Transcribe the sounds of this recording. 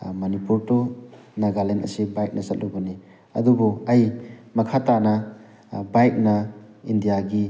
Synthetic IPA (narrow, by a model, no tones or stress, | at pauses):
mɐnipuɾtɔnaɡalenɐ̰sibajk̚nʔɐsɐt̚lubɐni | ɐ̰dubɔɐjmɐkʰatanɐ | bajk̚nɐindijaɡi